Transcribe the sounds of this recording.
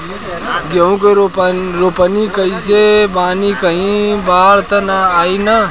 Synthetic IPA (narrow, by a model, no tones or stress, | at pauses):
ɡeũkeɾɾopənikəisebaːnikəɦĩbaːɽt̪ənaaːinə